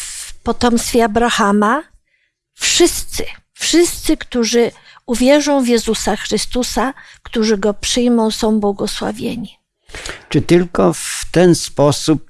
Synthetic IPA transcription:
fpɔt̪ɔmst̪fʲɛabɾaxama | fʂɘst̪sɘ | fʂɘst̪sɘkt̪uʐɘ | uvʲjɛʐɔ̃w̃vjɛzusaxɾɘst̪usakt̪uʐɘɡɔpʂɘjmɔ̃w̃sɔ̃w̃bwɔɡɔswa̰vʲjḛɲi | t͡ʂɘt̪ɘlkɔft̪ɛnspɔsup̚

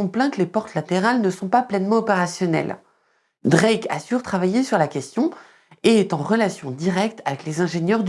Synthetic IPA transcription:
ɔ̃plɛ̃klepɔʁt̪lat̪eʁalnəsɔ̃paplɛnmɑ̃ɔpeʁasjɔnɛ̰l | d̪ʁɛkasyʁt̪χavajesyʁlakʲɛst̪jɔ̃ | eːt̪ɑ̃ʁəlasjɔ̃d̪iʁɛkt̪ʰavɛklezɛ̃ʒeɲjœʁd̪

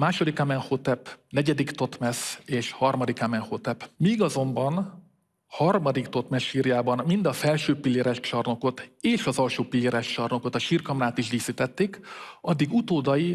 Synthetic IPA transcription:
maːʃo̞d̪ikamɛnhot̪ɛpnɛɟɛd̪ikt̪o̞t̪mɛseːʃhɒrmɒd̪ikamɛnhot̪ɛpmiːɡɒzo̞mbɒn | hɒrmɒd̪ikt̪o̞t̪mɛʃʃiːrjaːbɒnmind̪ɒfɛlʃøːpilːeːɾɛʃt͡ʃɒrno̞ko̞t̪eːʃɒzɒlʃoːpilːeːɾɛʃt͡ʃɒrno̞ko̞t̪ɒʃiːrkɒmnaːt̪iʒd̪iːsit̪ɛt̪ːeːkɒd̪ːiɡut̪oːd̪ɒji

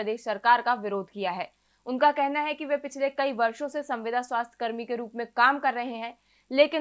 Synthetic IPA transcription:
ɐd̪eːʃsɐɾkaːɾkaʋɪɾoːd̪ʱkijaɦɛː | ʊnkakɛɦnaɦɛkiʋepɪt͡ʃʰlekɐiʋɐɾʃõsesɐ̃mʋɪd̪ʱaswaːst̪ʰjə̥kɐɾmikeɾuːpmẽkaːmkɐɾːɐɦeɦɛ̃ː | leːkɪ

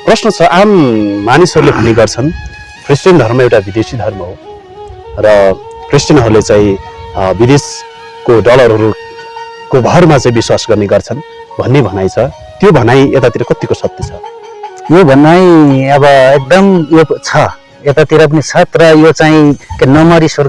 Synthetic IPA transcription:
prʌsnʌt͡sʰʌʔamːanisɦʌɾulebʱʌnːeɡʌrt͡sʰʌn | krisʈʌnd̪ʱʌrmʌewʈabid̪esid̪ʱʌrmʌɦo | rʌ | krisʈjʌnɦʌɾulet͡saĩbid̪es | koɖʌlʌrɦʌɾu | kobʱʌrmat͡saĩbiswasɡʌrneɡʌrt͡sʰʌn | bʱʌnːebʱʌnajt͡sʰʌ | t̪jobʱʌnaj̃et̪at̪iɾʌkʌt̪ikosʌp̚t̪it͡sʰʌ | jobʱʌnaĩʌbʌek̚d̪ʌmjot͡sʰʌ | et̪at̪iɾʌp̬ʌnit͡sʰʌt̪rʌjot͡saĩkenʌmʌɾisʌr

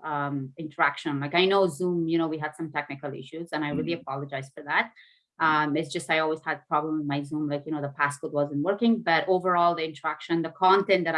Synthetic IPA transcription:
ʌmɪ̃ntʰə˞ækʃɨ̃nlaɪkaɪnoʊzũmjɨnoʊwiɦɨd̥sʌ̃mtʰɛk̚nɨkəlˠɪ̰ʃuzɨ̃ñaɪɹilˠiɨpʰɑlˠəd͡ʒaɪz̥fə˞ðæt̚ | ʔʌ̃mɪtsd͡ʒ̥ʌstaɪɔlˠwiz̥ɨd̪̚pʰɹ̥ɑblə̃mwɪðmaɪzũmlaɪkjɨñoʊðəpʰæskʊt̚wʌzɨ̃nt̚wɜ˞kɪ̃ŋbʌɾoʊvə˞ɔlˠðiɪ̃ntə˞ækʃɨ̃nðəkʰɑ̃ntɛ̃ntd̪ɨɾ

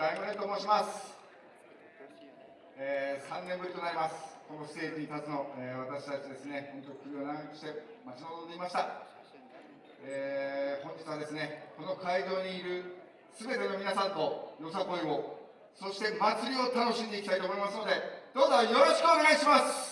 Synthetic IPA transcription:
aimɯet̪oːmoɕimasɨ̥ | eːsãnːẽ̞mbɯ̟ɾʲit̪o̞naɾʲimasɨ̥ko̞nost̪e̞ːkiɲ̟it̪at͡sɨno̞eβat̪aɕi̥t̪at͡ɕid̪e̞sɨne̞ho̞nt̪o̞ikɯ̟ɾʲionãŋɡkɯ̟ɕi̥t̪e̞mat͡ɕinod̪ond̪eimaɕi̥t̪a | ehõ̞ɲ̟d͡ʑitt͡sɨβad̪e̞sɨne̞ko̞no̞kaido̞ːɲ̟iːɾɯ̟ | sɨbe̞t̪e̞no̞mʲinasãnt̪o̞jo̞sako̞io̞ | so̞ɕi̥t̪e̞mat͡sɨɾʲio̞t̪ano̞ɕĩnd̪e̞ikʲit̪ait̪oːmo̞imasɨno̞d̪e̞d̪̥o̞ːzo̞jo̞ɾo̞ɕkɯ̟one̞ɡaiɕimasɨ̥

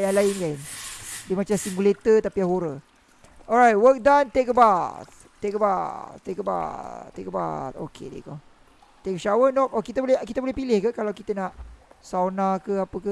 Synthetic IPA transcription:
jaŋlaɪnkaindəmat͡ʃamsiŋɡulet̪ət̪apijahoɾə | ʔɔlɹajt̚wək̚dãnt̪ekəbat̪̚ | t̪ːekəbatt̪ːekəba̰t̪ːekəba̰t̪o̰kʰḛdḛkɔ̰ | t̪ekʃawənɔkɔkit̪əbolɛkit̪əbolɛhpilɪhkəkalawkit̪ənaʔsawnakəapəkə

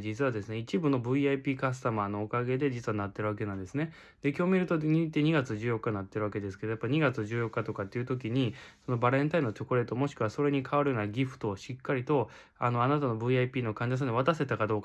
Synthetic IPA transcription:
d͡ʑit͡sɨβad̪e̞sɨne̞it͡ɕibɯ̟no̞bɯ̟iaipʲiːkas̬ɨ̥t̪amano̞ːkaɡe̞d̪e̞d͡ʑit͡sɨβanat̪ːe̞ɾɯβ̞ak̬e̞nãnd̪e̞sɨne̞ | d̪̥ekʲo̞ːmʲiɾɯ̟t̪oɲʲit̪ːe̞ɲ̟iɡat͡sɨʑɨːjo̞kːanat̪ːe̞ɾɯβake̞d̪e̞sɨ̥ke̞d̪ojapːaiɲ̟iɡat͡sɨʑɨːjo̞kːat̪o̞kat̪ːeiɯ̟t̪o̞k̬ʲiɲ̟iso̞no̞baɾẽ̞nt̪aino̞t͡ɕo̞ko̟ɾe̞ːt̪o̞mo̞ɕi̥kɯaso̞ɾe̞ɲ̟ikʰaβaɾɯ̟jo̞ːnaɡʲiɸɯ̟̥t̪o̞ːɕikːaɾʲit̪o̞ | ano̞anat̪ano̞bɯ̟iaipʲiːno̞kãɲ̟d͡ʑas̬ãɲoβ̞at̪ase̞t̪akad̪o̞ːka

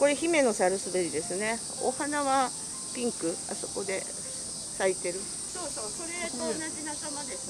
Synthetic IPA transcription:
ko̞ɾe̞çime̞no̞saɾɯ̟sɨbeɾʲid̪e̞sɨne̞ | o̰hanaβa | pʲĩŋkɯ̟a̰so̞ko̞d̪e̞ | sait̪e̞ɾɯ̟ | soːsoːsoɾeõnaʑinasamad̪esɨ

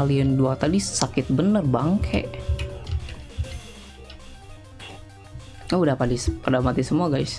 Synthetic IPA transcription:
aliənduat̪adisakɪt̪̚bənərbaŋkʰɛ̰ | ədapat̪dispərdamat̪isəmuaɡajs

